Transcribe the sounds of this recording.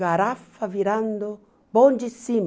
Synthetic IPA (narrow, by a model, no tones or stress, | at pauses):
aɾafaviɾand̪ʊ | bɔnd͡ʒisim